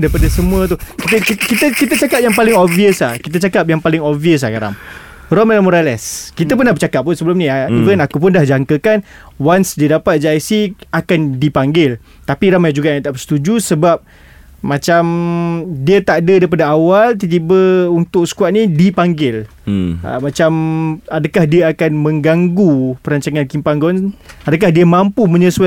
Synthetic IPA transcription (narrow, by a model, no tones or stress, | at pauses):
dajpadasəmũət̪̬ukit̪əkikit̪əkit̪ət͡ʃakap̚jaŋpalɪŋoviəslahkit̪̬ət͡ʃakap̚jaŋpalɪŋoviəs̬akaɾa̰ŋ | rɔmɛlamoɾalɛskit̪əp̬ərnahbət͡ʃakap̚ːʊnsəbəlʊmnĩaivənakup̬ʊndahd͡ʒaŋkəkan | wansdiədapat̪̚d͡ʒaisiakandipaŋɡɪl | t̪apiɾamajd͡ʒuɡaʔjãŋt̪aʔbəsə̥t̪ud͡ʒusəbap̚ | mãt͡ʃam | diət̪aʔdədaip̬adaawalt̪it̪̬ibəunt̪ʊk̚sə̥kuaʔ̪̚nĩdipaŋɡɪl | ə̰mat͡ʃamadakahdiəakanmə̃ŋɡaŋɡupəɾaɲt͡ʃaŋãnkimpaŋɡɔnadək̬ahdiəmampumə̃ɲəsua